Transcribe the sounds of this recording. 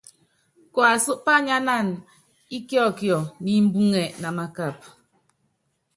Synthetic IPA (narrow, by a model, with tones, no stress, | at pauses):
kɔ˨a˨su˦ʔpa˦ɲa˦na˦˨n | i˦kjɔ˦˨kjɔ˨ni˦m̩˦bu˦ŋɛ˨ʔna˨ma˨ka˦˨p̚